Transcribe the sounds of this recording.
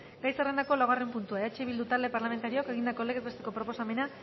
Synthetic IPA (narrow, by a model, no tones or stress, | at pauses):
ɡajsere̞nd̪ako̞laɣare̞mpunt̪uaeat͡ʃeβild̪ut̪ald̪e̞paɾlame̞nt̪aɾioke̞ɣind̪ako̞leɣezβest̪e̞ko̞pɾo̞po̞same̞na